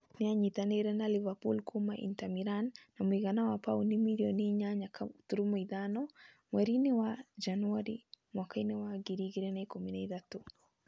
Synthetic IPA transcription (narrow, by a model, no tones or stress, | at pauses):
nɪaɲitaneɾɛnalivapṵlkumaʔḭntamiɾanːamuiɣanawapaunimiljɔniɲaɲakatuɾumɔiðanɔ | mwɛɾinewad͡ʒanuaɾimwɔkainewaɡiɾiɡiɾɛnɛkominɛiðatu